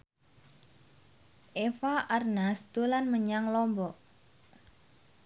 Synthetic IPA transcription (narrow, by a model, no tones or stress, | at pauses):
ʔefaʔarnast̪ulanməɲaŋlɔmbɔʔ